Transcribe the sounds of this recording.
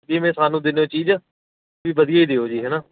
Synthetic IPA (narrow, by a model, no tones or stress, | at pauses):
d͡ʒiːmẽːsaːnũːd̪ɪnːõːt͡ʃiːd͡ʒ | ʋiːbəd̪ijaːiːd̪eːoːd͡ʒiːɦɛːnaː